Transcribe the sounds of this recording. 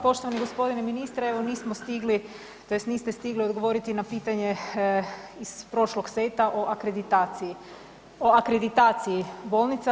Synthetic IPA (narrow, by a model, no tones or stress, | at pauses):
po̞ʃt̪o̞ʋaniɡospo̞d̪ineminist̪ɾeeʋo̞niːsmost̪iɡli | t̪o̞jest̪niːst̪e̞st̪iɡlio̞d̪ɡo̞ʋo̞ɾit̪inapiːt̪aɲe̞ | iz̥pɾo̞ʃloɡset̪aʔoʔakɾed̪it̪aːt̪siji | oakɾed̪it̪aːt̪sijibo̞ːlˠnit̪sa